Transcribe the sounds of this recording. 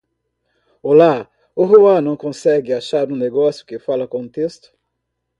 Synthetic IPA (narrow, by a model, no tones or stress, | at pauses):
ola | ʊɦoɐ̃nɐ̃w̃kõsɛɡɪaʃaɾd̪ũneɡɔsjʊkɪfalɐkõt̪est̪ʊ̥